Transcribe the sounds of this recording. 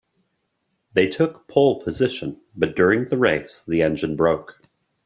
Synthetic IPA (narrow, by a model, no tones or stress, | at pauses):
ðeɪtʰʊkpʰɔlˠpʰəzɪʃə̃n | bʌt̚d̥ʊɹɪ̃ŋðəɹeɪsðiɛ̃nd͡ʒɨ̃nbɹoʊk